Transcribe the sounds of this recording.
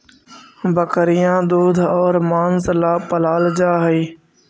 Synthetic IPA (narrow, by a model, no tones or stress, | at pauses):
bəkəɾɪjãːd̪oːd̪ʱɔːɾmaːnzlaːpəlaːld͡ʒaːɦiː